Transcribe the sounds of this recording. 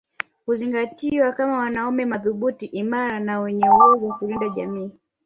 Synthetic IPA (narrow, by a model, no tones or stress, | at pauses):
kuziŋɡatiwakamawanaumɛmaðuɓutiʔimaɾanawɛɲɛwɔzwakulindaʄa̰miː